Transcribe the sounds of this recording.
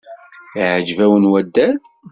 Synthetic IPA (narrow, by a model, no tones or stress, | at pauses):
iʕəd͡ʒvæwənwæd̪ːæð